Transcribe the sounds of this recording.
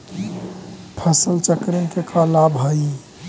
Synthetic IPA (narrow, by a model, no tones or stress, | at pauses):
pʰəsəlt͡ʃəkɾinkekʰəlabɦəi